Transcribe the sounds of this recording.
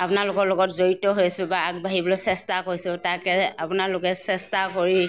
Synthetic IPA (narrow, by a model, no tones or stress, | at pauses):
apʊnalʊkɔɹlɔkɔtzoɹitɔɦojasʊ̃baaɡ̚bʱaɦibɔlɔsɛstakoɹisʊtakɛapunalʊkɛsɛstakoɹi